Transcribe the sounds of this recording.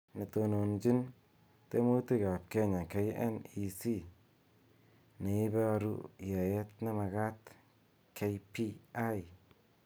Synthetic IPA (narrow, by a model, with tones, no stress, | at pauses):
ne˨to˨no˨nd͡ʒi˦n | te˦mo˦ti˦ka˨p̚ke˦ɲa˨ke˦jḛ˦ni˨si˦ | ne˨ɪ˦be˦a˧ɾṵ˦ja˨je˦t̚ne˦ma˨ɡa˦t | kʰe˦jpi˦a˦j